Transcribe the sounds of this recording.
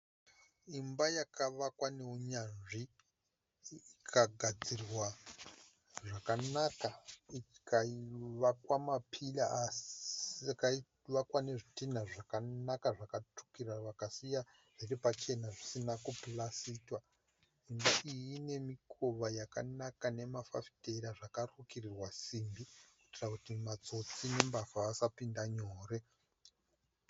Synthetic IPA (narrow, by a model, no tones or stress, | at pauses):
imbajakaʋakwane̞uɲanʐi | ikʰaɡʱad͡zirwa | ʐakanakaikʰaiʋakwamapʰilaas | kai | ʋakwane̞ʐitin̤aʐakanakaʐakatu̥kiraʋakasija | ʐerepat͡ʃe̞naʐisinakuplasiːtwa | ʐimbaʔijine̞mikʰo̞ʋajaka̰nakane̞mafa̰fi̥te̞ɾaʐakarukirirwasimbikwitirakutimat͡so̞t͡sine̞mbafaːsapindaɲoːre̞